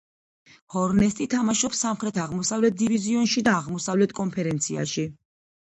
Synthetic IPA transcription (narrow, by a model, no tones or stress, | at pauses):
hɔɾnɛst̪ʼit̪ʰamaʃɔpsːamχɾɛt̪ʰaʁmɔsavlɛt̪̚d̪iviziɔnʃid̪aːʁmɔsavlɛt̪ʰkʼɔnpʰɛɾɛnt̪sʰia̰ʃi